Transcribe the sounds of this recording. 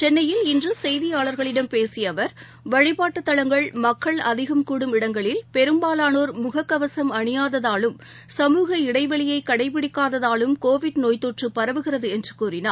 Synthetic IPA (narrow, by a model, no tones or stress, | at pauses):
t͡ʃɛnːɐjɪlɪndrɯsɛjðɪjaːɭɐɾɣɐɭɪɽɐmpeːsɪjɐʋɐɾ | ʋɐɻɪpaːʈːɯt̪ːɐɭɐŋɡɐɭmɐkːɐɭɐ̰ðɪɣɐmkuːɽɯmɪɽɐŋɡɐɭɪlpɛɾɯmbaːlaːnoːɾmʊɣɐkːɐʋɐsɐmɐɳɪjaːðɐðaːlɯm | sɐmuːɣɐɪɽɐɪʋɐɭɪjɐɪkːɐɽɐɪpɪɽɪkːaːðɐðaːlɯmkoːʋɪʈnoːjt̪oːʈrɯpːɐɾɐʋɯɣɪrɐðɯɛndrɯkuːrɪnaːɾ